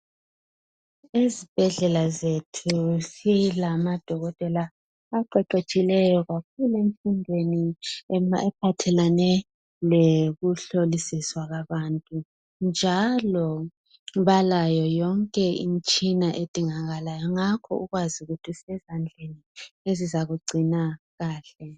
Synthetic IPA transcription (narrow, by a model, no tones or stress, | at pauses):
ezib̥ʱɛɮɛlazetʰusilamad̥ʱɔɣɔtʼɛlaː | ǃɛǃet͡ʃʼilɛjɔɣak̚ʰulemfindʱweni | ɛp̚ʰatʰɛlanɛ | leɣuɬolisiswaɣaβantʼu | nd͡ʒʱalɔ | βalajɔjɔŋkʼɛḭnt͡ʃʼinaʔed̥ʱiŋaɣalajɔŋakʰɔ̰ʔuɣwazuɣutʰisɛzand͡ɮʱeniezizaɣuɡ͡ǀʱina | ɣaːɬɛ